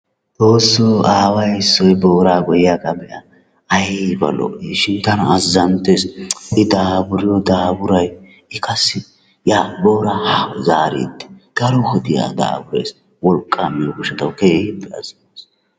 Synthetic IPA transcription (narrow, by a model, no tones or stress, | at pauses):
t͡soːsːɔaːwɐjsːɔjboːɾaːɡɔjjakʼɐbɛʔa | ɐjbɐ̰lɔ̰ʔiʃɪnt̪ɐnɐːzːɐnt̪esɪd̪aːbʊɾɪjɔd̪aːbʊɾɐj | ɪkɐsːɪ | jaːbo̞ːɾahɐzaːɾḭːd̪ːɛ̥ɡ̪̥ɐɾɔhɔd̪ɪja̰ːd̪a̰ːbʊɾḛjs | wɔlkʼːamijɔɡʊʃɛt̪ɐwkeːhɪd̪ɛɐ̰zɐnes